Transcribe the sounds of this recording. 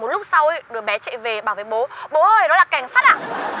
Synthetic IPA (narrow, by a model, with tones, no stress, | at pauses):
mo˨˩t̚lʊ˦˥k͡p̚sa˧wjɗɨ˨˩əɓɛ˨˦t͡ɕɛ̰˧˨ve˨˩ɓaː˨˩wve˨˩ɓo˨˦ɓo˨˦ʔəː˧˨˩ɗɔ˨˦laː˨˩ka˧˩jŋ̟saː˦˥t̚ʔa̰ː˧˨